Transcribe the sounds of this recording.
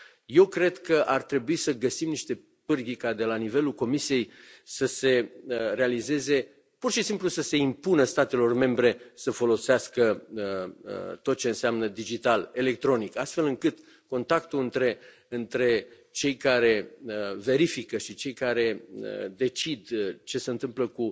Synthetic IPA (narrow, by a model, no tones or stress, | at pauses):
je̞wkɾe̞d̪kəʔart̪ɾe̞buisəɡəsimniʃt̪e̞ | pɨrɡʲikad̪e̞lanive̞lulko̞misije̞jsəse̞ɾe̞alize̞ze̞ | purʃisimplusəse̞impunəst̪at̪e̞lo̞rme̞mbɾe̞səfo̞lo̞seaskəət̪o̞t̪̚t͡ʃe̞ɨnseamnəd̪id͡ʒit̪ale̞le̞k̚t̪ɾo̞nikast̪fe̞lɨŋkɨt̪ | ko̞nt̪akt̪uɨnt̪ɾe̞ | ɨnt̪ɾe̞ | t͡ʃe̞jkaɾe̞əve̞ɾifikəʃit͡ʃe̞jkaɾe̞ə̰d̪e̞t͡ʃid̪t͡ʃe̞se̞ɨnt̪ɨmpləku